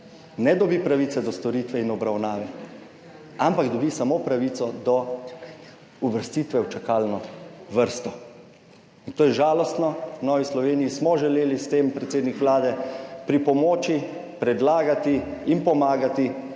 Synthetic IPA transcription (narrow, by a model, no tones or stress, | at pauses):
nɛd̪ɔbipɾaʋit̪sɛd̪ɔst̪ɔɾit̪ʋɛinɔbɾawnaːʋɛ | ampakd̪ɔbisamopɾaʋiːt̪sɔd̪ɔ | uʋəɾst̪iːt̪ʋɛwt͡ʃakaːlnɔʋəɾst̪ɔ | int̪oːjɛʒaːlɔst̪nɔnɔːʋislɔʋeːnijismɔʒɛleːlist̪eːmpɾɛt̪seːd̪nikʋlaːd̪ɛpɾipɔmoːt͡ʃi | pɾɛd̪laːɡat̪iinpɔmaːɡat̪i